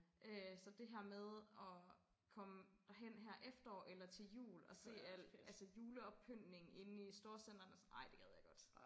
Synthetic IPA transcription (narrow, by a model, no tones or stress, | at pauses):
ʔøsɒ̽d̥e̝ɦæɐ̰með̞ˠɒ̽ | kʰɒ̽məd̥æɦen̰ɦæɐ̰ʔefd̥ɐɒ̰ːʔelɐt͡sʰe̝ljṵːlɒ̽se̝̰ːæl̰ælsəjuːləɒ̽b̥̚pʰøn̰ne̝ŋ̩e̝n̩isd̥o̝ɐsen̰d̥ɐnəsʔɑ̈ɪ̰d̥e̝ɡ̥ɛð̞ˠjɑ̈ɪɡ̥ɒ̽d̥